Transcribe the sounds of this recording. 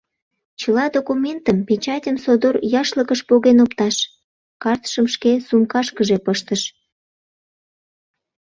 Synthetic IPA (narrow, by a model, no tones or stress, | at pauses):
t͡ɕəlɑd̪okumʲent̪əmpet͡ɕɑtʲənsod̪orjɑʃləkəʃpoɣenopt̪ɑʃ | kɑrt̪ʃəmʃkesumkɑʃkəʒepəʃt̪əʃ